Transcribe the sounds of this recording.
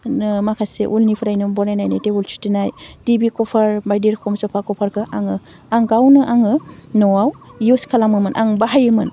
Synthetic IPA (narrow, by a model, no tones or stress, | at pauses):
makʰaseʔulnipʰɯɾajnumbɔɾajnajnajtebult͡ʃʰu̥tinajdibikɔpʰaɾbajdiɾkʰɔmsɔpʰakɔpʰaɾkɯʔaŋɯ | aŋɡawnɯʔaŋɯnɔwawjuskʰalamɯmɯnʔa̰ŋbaɦajɯmɯn